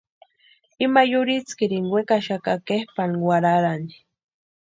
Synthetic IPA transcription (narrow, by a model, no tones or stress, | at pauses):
imajʊɾit͡skɪɾiŋwekaʃakakehpanwaɾaɾani̥